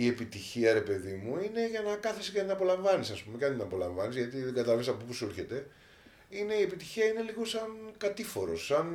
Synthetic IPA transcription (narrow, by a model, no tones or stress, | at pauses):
ie̞pit̪içiɐɾe̞pe̞ðimuine̞ʝɐnɐkɐθiscɐnd̪inɐpo̞lɐɱvɐnisɐspume̞ceɐnt̪inɐpo̞lɐ̰ɱvɐnizʝɐt̪iðeɡɐt̪ɐɐvesɐpopusulçe̞t̪e̞ | ine̞ie̞pit̪içiɐineliɣosɐnkɐt̪ifo̞ɾo̞sːɐn